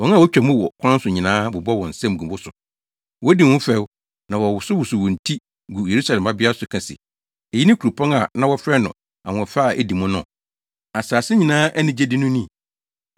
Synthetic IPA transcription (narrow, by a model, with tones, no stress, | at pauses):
wɔ̃˨˦n˦a˦˨wɔ˦t͡ɕᶣɛ˨mʊ̃˦wɔ˨kʷʰã˦n˦sʊ˨ɲĩ˨nãː˦bʊ˨bɔ˦wɔ̃˨n̩˨sɛ̃˦m˨ɡũ˨wʊ˦sʊ˨ | wɔ˦dĩ˨wʊ̃˦fɛ˦w | nã˨wɔ˨wʊ˨sʊ˦wʊ˨sʊ˨wɔ̃˨n̩˨tʰi˦ | ɡu˨je˨ɾu˦sa˨lɛ̃˨mba˦bɪ˦a˦sʊ˨kʰã˨sɪ̰˨ | e˨ji˦nɪ̃˦ku˨ɾu˨pʰɔ̃˦ŋa˨nã˦wɔ˦fɾɛ˦nʊ̰̃˨ | ã̰˨fa˦˨ʔe˨di˨mʊ̃˦nʊ̃˨ | a˨saː˨sɪ˦ɲĩ˨nãː˦ʔæ˦nɪ̃˨d͡ʑe˦dɪ˦nʊ̃˦nĩ˦˨